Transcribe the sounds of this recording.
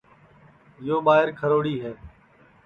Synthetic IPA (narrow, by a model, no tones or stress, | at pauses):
ɪjoːɓaːɦɪɾkʰəɾoːɽiːɦɛː